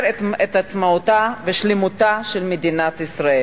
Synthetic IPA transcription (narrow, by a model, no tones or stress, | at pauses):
ɾeet̪at͡smaut̪aveʃlemut̪aʃelmed̪inat̪isɾae